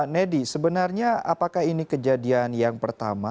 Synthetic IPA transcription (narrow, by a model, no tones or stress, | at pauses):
nɛdisəbənarɲaa̰pakahinikəd͡ʒadianjaŋpərt̪a̰ma